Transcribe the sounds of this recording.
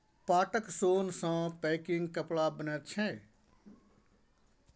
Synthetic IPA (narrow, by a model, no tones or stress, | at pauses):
paːʈəksoːnsãːpɛːkɪŋɡkəpɭaːbənɛːt͡ʃʰɛ̃